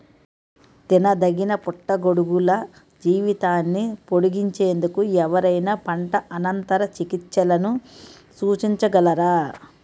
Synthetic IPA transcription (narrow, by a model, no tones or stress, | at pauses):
t̪inɐd̪ɐɡinɐpuʈːɐɡo̞ɽuɡulɐ | d͡ʒiːʋit̪aːnːipo̞ɽuɡiɲt͡ʃeːnd̪ukuɛʋɐɾɐjnaːpɐɳʈɐʔɐnɐnt̪ɐɾɐt͡ʃikit͡ʃːt͡ʃːɐlɐnu | suːt͡ʃiɲt͡ʃɐɡɐlɐɾaː